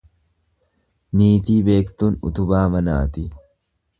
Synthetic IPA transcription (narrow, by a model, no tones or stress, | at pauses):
niːt̪iːbe̞ːkt̪uːnʊ̰t̪ʊbaːmɐna̰ːt̪ɪ